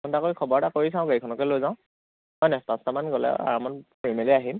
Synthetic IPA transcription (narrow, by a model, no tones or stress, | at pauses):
untakojkʰɔbɔɹtakoɹis̬ãʊ̃ɡaɹikʰɔnɔkɔjlojzãʊ̃ | hɔjnɛpastamanɡɔlɛ̰a̰ɹɔmɔnpʰɹimeliaɦin